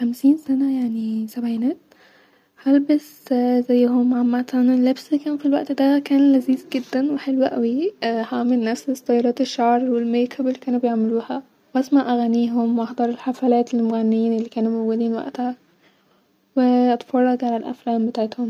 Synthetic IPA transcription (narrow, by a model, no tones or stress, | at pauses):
xæmsiːnsænæjaʕnisæbʕinæːt̪ | hælbes | zæjːhomʕamːat̪ænlebsikæːnfilwæʔt̪d̪ækæːnlæziːzɡed̪ːænweħelwæʔæwihaʕmelnæfst̪ˤːɑjːɑɾˤɑːt̪eʃːɑʕɾˤwelmejkʰæbelːikæːnubejeʕmeluːhæ | wʔæsmaʕʔæɣæniːɦomwʔɑħd̪ˤɑɾˤelħafælæːt̪elmoɣænːiːnelːikæːnumowɡed̪iːnwæ̰ʔt̪hæ | weʔɑt̪fɑrˤːɑɡʕalælʔæ̰flæːmbet̪aʕet̪hom